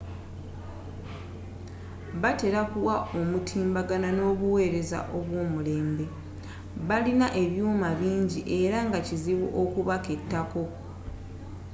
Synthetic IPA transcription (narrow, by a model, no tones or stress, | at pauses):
βate̞ɾakuwao̞mutʰiːmbaɡanano̞ːβuwe̞ːɾe̞za̰ʔo̞βwo̞ːmule̞ːmbe̞ | βalinaʔe̞βjuːmaβiːɲɟiʔe̞ɾaŋɡaciziβuʔokuβake̞tːako̞